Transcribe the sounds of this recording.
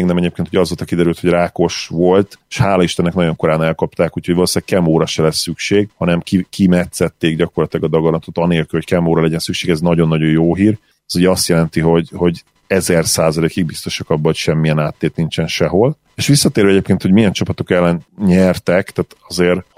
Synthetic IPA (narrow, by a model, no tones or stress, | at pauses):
ɡnɛmɛɟeːpkeːnt̪ʰoɒzvolt̪ɒkid̪ɛɾylt̪ho̞ɟraːko̞ʃʋo̞lt̪eʃhaːlɒiʃt̪ɛnːɛknɒɟo̞ŋko̞ɾaːnɛlkɒpt̪aːkuchoɟvɒloːsaːɡ̚kɛmoːɾɒʃɛlɛsːykʃeːɡhɒnɛmkikimɛt̪sɛt̪ːeːɡɟɒko̞rlɒt̪ilɛɡɒd̪ɒɡonlɒt̪o̞t̪ɒneːlkylho̞ckɛmboːɾɒlɛɟɛnsykʃeːɡɛznɒɟo̞nːɒɟo̞joːɦiːr | ɛzuɟɛɒst̪jɛlɛnt̪iɦo̞ɟho̞ɟ | ɛzɛrsaːzɒleːkiɡ̚bist̪o̞ʃɒkɒbːɒɦocʃɛmːijɛnaːt̪ːeːt̪nint͡ʃɛnʃɛɦo̞l | eʃʋisːɒt̪eːɾvɛɛɟeːpkeːnho̞ɟmijɛnt͡ʃɒpɒt̪o̞kɛlːɛnɲɛrt̪ɛkt̪aːt̪ɒzeːr